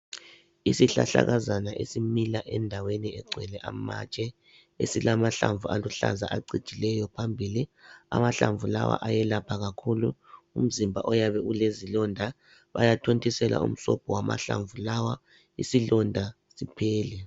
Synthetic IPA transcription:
isiɬa̰ɬa̰ɣazanaʔesimilaʔɛndʱaweniɛɡ͡ǀʱwɛlɛʔamat͡ʃʼɛ | esilamaɬaɱvualuɬa̰zaʔaǀid̥ʒ̥ʱilɛjɔpʰambʱilia̰maɬaɱvulawa̰ʔajɛlapʰaɣakʰuluum̩zimbʱaʔɔjaβɛulezilɔndʱa | βa̰jatʰontʼʰisɛla̰ṵm̩sɔb̥ʱɔwama̰ɬa̰ɱvulawa | ḭsilɔndʱa | sipʰɛːlɛ

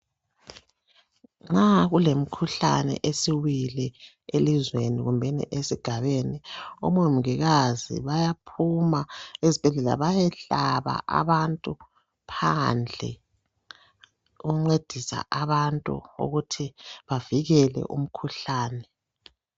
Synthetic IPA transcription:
ŋ͡ǁaɣulem̩kʰuɬa̰nɛ̰ʔesiwilɛ | elizweniɣumbʱɛnḭʔesiɡ̥ʱaβenio̰mom̩ɣiɣazḭβajapʰumaezib̥ʱɛɮɛla̰βajɛɬaβa̰ʔa̰βantʼu | pʰand͡ɮʱɛ̰ | uɣuŋ͡ǀed̥ʱisa̰ʔaβantʼṵṵɣutʰiβaviɣɛlɛ̰ʔṵm̩kʰuɬaːnɛ

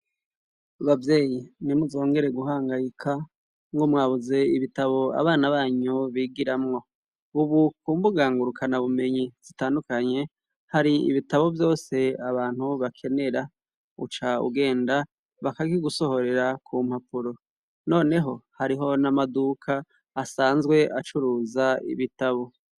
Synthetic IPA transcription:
βavje̞ːjinimuzo̞ːŋɡe̞ɾe̞ɡuɦaːŋɡajikʰa | ŋɡomŋaːβuze̞iβitaβo̞a̰βaːnaβaːɲuβiːɡiɾamŋo̞ | uβukuːmbuɡaːŋɡuɾukʰanaβume̞ɲiz̥itaːndukaɲe̞ | haɾiḭβitaβo̞vjo̞ːse̞aβaːn̥huβakʰe̞ne̞ɾa | ṵt͡ʃaṵɡe̞ːnda | βakaɡiɡuso̞ho̞ɾe̞ɾakʰuːm̥hapuɾo̞ | no̞ːne̞ɦo̞haɾiɦo̞namadukʰaː | saːnzɡwe̞ʔat͡ʃuɾuːzaḭβitaβo̞

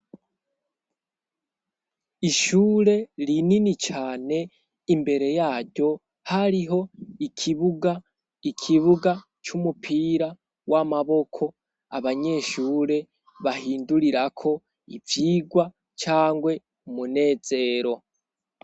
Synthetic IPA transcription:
iʃuːɾe̞ɾininit͡ʃaːne̞ | imbe̞ɾe̞jaːɾɟo̞ | haɾiɦo̞ikʰiβɡa | ikʰiβuɡa | t͡ʃumupʰiːɾa | wʔamaβo̞kʰo̞ | a̰βaɲe̞ʃuːɾe̞ | βahiːnduɾiɾakʰo̞ | ḭvjiːɡwa | t͡ʃaːŋɡwe̞ | umune̞ːz̥e̞ɾo̞

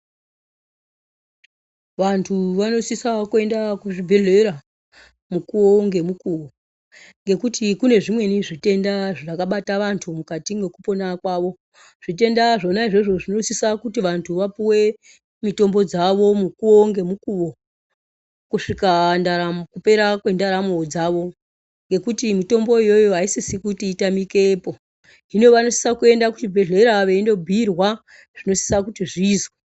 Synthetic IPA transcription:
ʋantʰuʋano̞sisakoe̞ndakuʐibʱe̞ɮe̞ɾa | mukuwo̞ŋɡe̞mukuʋo̞ | ŋɡe̞kutikune̞ʐimwe̞niʐite̞ndaʐakaɓataʋantʰumukatiŋɡe̞kupo̞nakwaːʋo̞ | ʐ̥it̬e̞ndaʐo̞naiʐeʐo̞ʐino̞sisakutiʋantʰuʋapiwe̞ | mito̞mbo̞d͡zaʋo̞mukuo̞ŋɡe̞mukuʋo̞ | kuʂikandaɾamkupe̞ɾakwe̞ndaɾamod͡zaʋo̞ | ŋɡe̞kutimito̞mbo̞ijo̞joaisisikutiːtamike̞po̞ | inoʋano̞si̥sakue̞ndakutibʱe̞ɮe̞ɾaʋeindo̞bʱirwa | ʐ̥ino̞si̥sakutiʐiːzoe

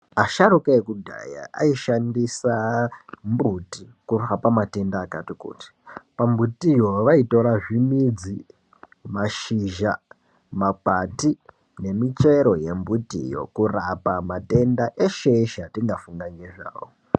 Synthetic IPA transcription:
aʃaɾukaekudʱa̰ja̰ʔa̰iʃandisambutikurxapamate̞ndaːkatikṵːti̥pambutijoʋaito̞ɾaʐimid͡zi | maʃiʒa | mak͡pati | ne̞mit͡ʃe̞ɾo̞je̞mbutḭjo̞̰kurapamate̞ndaʔeʃeʃatiŋɡafuŋɡaŋɡe̞ʐa̰ːwo

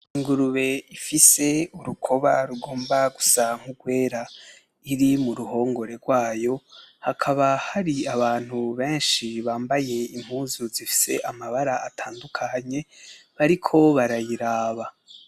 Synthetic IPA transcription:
iŋɡuɾuβe̞ifise̞uɾukʰo̞βaɾuɡo̞ːmbaɡusaŋ̥uɡwe̞ːɾa | iɾimuɾuɦo̞ːŋɡo̞ɾe̞ɾɡwaːjo̞hakʰaβahaɾiaβaːn̥huβe̞ːnʃiβaːmbaje̞im̥huːzuzifi̥se̞̰ʔamaβaɾaatʰaːndukʰaɲe̞βaɾikʰo̞βaɾajiɾaːβa

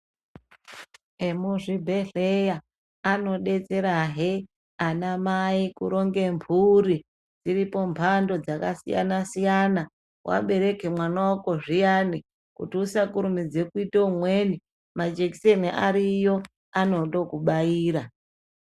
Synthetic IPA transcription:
emuʐibʱe̞ɮejaː | no̞ɗe̞t͡se̞ɾaɦe | anamaikuɾo̞ŋɡe̞mbʰʱuɾi | d͡ziɾipo̞mpʰando̞d͡zakasḭja̰nasijana | wʔa̰ɓe̞ɾe̞ke̞mwanawako̞ʐijani | kutiusakuɾumid͡ze̞kuitoumwe̞ni | mad͡ʒeki̥seniʔaɾijo̞ | ano̞to̞kuɓaiːɾa

